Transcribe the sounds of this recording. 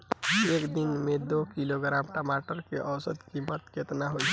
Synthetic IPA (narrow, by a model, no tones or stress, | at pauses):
ɦiekd̪inmed̪okiloɡɾamʈəmaʈəɾkeʔəwsəd̪kimət̪ket̪naɦod͡ʒ